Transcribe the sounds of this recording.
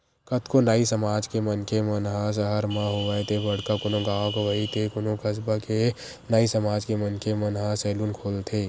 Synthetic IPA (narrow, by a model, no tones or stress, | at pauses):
kət̪ʰkonaːisəmaːd͡ʒkemənkemənɦas̬əɦəɾmãɦoʋəet̪ʰebɐɽkakonõɡaːõkoʋəit̪ʰekonokʰəsbake | naisəmaːd͡ʒkemənkemənɦasɛːluːnkʰoːlt̪ʰeː